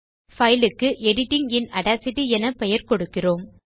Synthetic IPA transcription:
fɐjlɯkːɯʔɛɽɪʈːɪŋɪnɐɽaːsɪʈiɛnɐpɛjɐɾkɔɽɯkːɪroːm

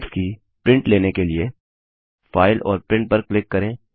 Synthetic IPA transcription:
pski | pɾɪ̃ɳʈleːnekelie | faːɪlʔɔ̰ːɾpɾɪ̃ɳʈ̚pɐɾklɪkːɐɾẽː

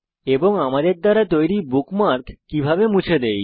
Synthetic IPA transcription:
eboŋamad̪eɾd̪aɾat̪ojɾibukmaɾkːibʱabemũt͡ɕʰed̪ej

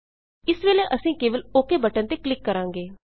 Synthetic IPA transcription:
ɪsʋeːleːʔəsĩːkeːʋəloːkeːbəʈə̃nt̪eːklɪkːəɾãːŋɡeː

